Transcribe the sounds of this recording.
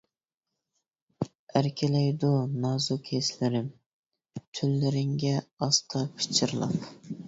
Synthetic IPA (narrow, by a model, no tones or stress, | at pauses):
æɾkʲʰɪlɛjd̪unɑzukʲʰeslɪɾɪm | t̪ʰylːɪɾɪŋɡʲɛɑst̪ʰɑpʰɪ̥t͡ʃʰɪɾlˠɑ̰p